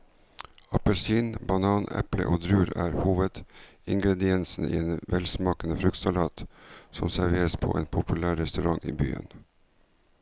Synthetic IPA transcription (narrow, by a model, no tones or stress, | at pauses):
ɑpəlsiːnbɑnɑːnɛ̰plə̰ʔoːd̪ɾʉːɾæ̰ːɾhuːʋəd̪̥ɪŋɡɾɛd̪ɪɛnsn̩ḭːeːnʋɛlsmɑːkənəfɾʉk̚t̪sɑlɑːt̪sɔmsæɾʋeːɾəspʰo̰ːʔeːnpʰʊpʉlæːɾɛst̪ʉɾɑŋʔḭːbyːə̰n